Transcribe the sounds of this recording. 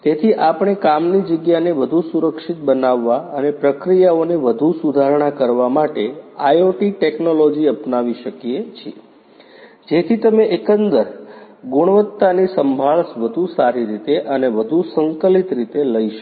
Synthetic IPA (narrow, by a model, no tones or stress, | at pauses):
t̪et̪ʰiʔapɳ̃ekamnid͡ʒəɡjaneʋəd̪ʱusuɾəkʃit̪̚bənaʋːaənepɾəkɾijaoneʋəd̪ʱusud̪ʱaɾɳ̃akəɾʋamaʈeajoʈiʈeknolod͡ʒiəpnaʋiʃəkijet͡ʃʰie | d͡ʒet̪ʰit̪əmeʔekənd̪əɾɡʊɽ̃ʋət̪ːanisəmbʱaɭsʋəd̪ʱusaɾiɾit̪eʔəneʋəd̪ʱusəŋkəlit̪ɾit̪eləiʃ